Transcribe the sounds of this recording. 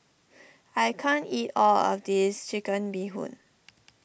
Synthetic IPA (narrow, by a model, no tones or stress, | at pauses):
ajkʰãnitɔlɔ̰fdist͡ʃikə̃nbiɦṵ̃n